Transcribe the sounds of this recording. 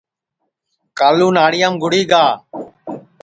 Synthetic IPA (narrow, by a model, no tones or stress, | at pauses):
kaːluːnaːɽɪjaːmɡʊɽiːɡaː